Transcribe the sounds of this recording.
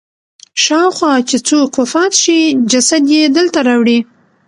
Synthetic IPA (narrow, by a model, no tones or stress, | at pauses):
ʃɑwxwɑt͡ʃet͡sokʰːofɑt̪ʃid͡ʒasad̪jed̪əlt̪aɾɑwɽi